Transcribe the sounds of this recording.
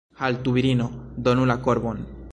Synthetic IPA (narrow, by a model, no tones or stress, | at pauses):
halt̪uβiɾinod̪onulakoɾβon